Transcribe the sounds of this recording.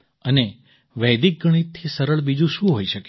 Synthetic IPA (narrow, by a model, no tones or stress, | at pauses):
əne | ʋɛd̪ik̚ɡəɽ̃it̪ʰːisəɾəɭbid͡ʒũʃũɦoiʃəke